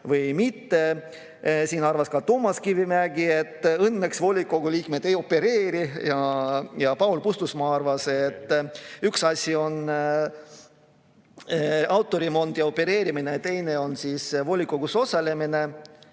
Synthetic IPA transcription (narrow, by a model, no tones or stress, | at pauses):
vɤjmit̪ːe̞ | siːnɑrvɑskɑt̪oːmːɑskivimæɡie̞t̪ːˑɤnːe̞ksvo̞lʲikːˑo̞ɡ̥uliːkme̞d̪̥e̞jo̞pːe̞ɾeːɾijɑjɑpɑwlpust̪usmɑɑrvɑse̞t̪ːyksɑsʲio̞n | ɑwt̪ːˑo̞ɾimo̞nd̪̥jɑo̞pːe̞ɾe̞ːɾiminet̪e̞jne̞o̞nsiːsvo̞lʲikːˑoɡ̥uso̞selemine̞